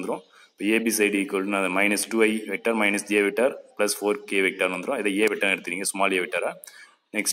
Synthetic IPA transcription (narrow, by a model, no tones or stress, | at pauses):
nd̪ɯɾõː | ɪpːoːeːbisɐɪɖikoɭːnaɐðɐmɐɪnɐsʈuːɐɪʋɛk̚ʈaːɾmɐɪnɐseːʋɛʈːaɾplɐsfoːɾkeːʋɛk̚ʈaːɾnʋɐnd̪ɯɾõɪðɐeːʋɛʈːɐnɪɽɯt̪ːɪɾiːŋɡɐsʊmaːleːʋɪʈːaːɾaː | nɛksʈ